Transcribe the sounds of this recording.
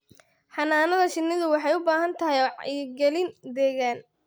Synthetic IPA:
ħɑnaːnɐðɐʃɪnːɪðʊwɑħɑjʊbaːɦɐnt̪ʰɐɦɛjɔːʕ̰ɡɛlɪnd̪ɛːɣaːn

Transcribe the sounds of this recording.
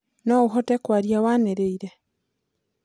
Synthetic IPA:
noɣuxotekwaɾjawaneɾeiɾe

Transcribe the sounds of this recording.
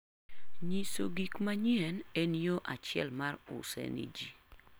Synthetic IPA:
ɲiso̰ɡikmaɲjɛnenijoʔa̰t͡ʃɛ̰lmarʊ̰sɛ̰nḭd͡ʒi

